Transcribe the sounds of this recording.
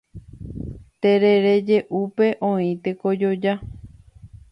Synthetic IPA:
t̪e̞ɾeɾe̞d͡ʒe̞ʔupe̞ʔõĩt̪e̞ko̞d͡ʒo̞d͡ʒa

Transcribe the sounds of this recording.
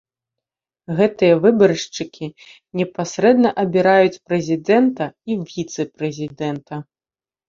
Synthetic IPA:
ɣɛt̪ɨjɐvɨbɐɾɨʂt͡ʂɨkʲʰi | nʲɛpasʲɾɛd̪nɐʔɐbʲiɾajut͡sʲpɾɛzʲid̪ɛnt̪ɐivʲit̪sɨpɾɛzʲid̪ɛnt̪ɐ

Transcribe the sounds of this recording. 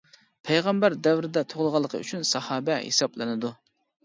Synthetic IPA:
pʰɛjʁɑmbæɾd̪ɛwɾɪd̪ɛt̪ʰoʁlˠʁɑlˠːəqʰəy̰t͡ʃʰynsɑhɑːbɛhḛsɑplˠɨnɨd̪u

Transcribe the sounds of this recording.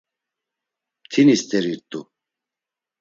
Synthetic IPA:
t̪ʰinist̪ʼɛɾiɾt̪ʼu

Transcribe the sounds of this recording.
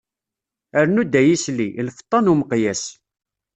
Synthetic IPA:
əɾnud̪ːæjisliʔlfə̥t̪ˤːɑnuməqjæs

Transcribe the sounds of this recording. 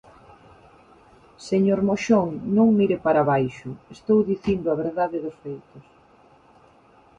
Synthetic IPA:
seɲoɾmoʃoŋnõŋmiɾepaɾaβajʃʊest̪owðiθind̪ʊaβ̞eɾðaðɪðʊsfejt̪ʊs

